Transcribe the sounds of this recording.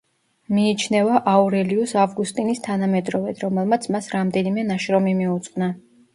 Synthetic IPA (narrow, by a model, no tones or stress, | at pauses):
miːt͡ʃʰnɛvaʔauɾɛliusavɡust̪ʼinist̪ʰanamɛd̪ɾɔvɛd̪̥ɾɔmɛlˠmat̪sʰmasɾamd̪ɛnimɛnaʃɾɔmimiut̪sʼqʼna